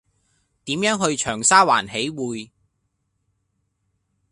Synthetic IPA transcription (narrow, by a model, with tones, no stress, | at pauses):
t̪iː˨˥mjœː˨˥ŋɦɵ˧ɥt͡ʃʰœː˨˩ŋsaː˥wa̰ː˨˩nhe˨˥jwuː˨˧j